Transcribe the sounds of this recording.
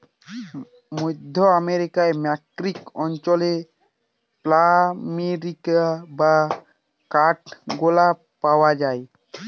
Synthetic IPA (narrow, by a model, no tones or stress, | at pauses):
mod̪ʱːoameɾikaemɛkɾikɔnt͡ɕole | plameɾikaba | kaʈɡola | paoad͡ʑae